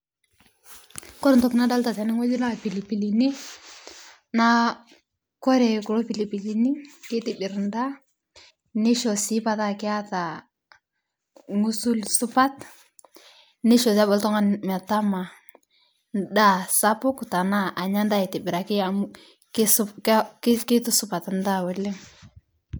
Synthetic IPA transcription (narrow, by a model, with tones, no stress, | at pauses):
kɔ˦ɾntɔ˨kɪ˨na˦da˦lta˨sɛ˨ni˦ŋɔ˦d͡ʒi˦na˦pi˨li˨pi˨li˨ni˦ | na˦ | kɔ˦ɾɛ˨ku˨lɔ˦pi˨li˨pi˨li˨ni˦ke˦tɪ˨bɪ˨ɾnda˦ | nɪ˦ʃɔ˨si˦pa˨ta˦kɪ˦a˦ta˨ | ŋu˦su˦lsʊ˦pa˦t | nɪ˦ʃɔ˨s̬a˦bɔ˨ltɔ˦ŋa˦nma˨ta˦ma˨ | da˦sa˦pɔ˦ku˨ta˨na˦ʔa˨ɲa˦nda˦i˨tɪ˨bɪ˨ɾa˨ki˦a | kkke˦tu˦sʊ˦pa˨tnda˦wɔ˨le˦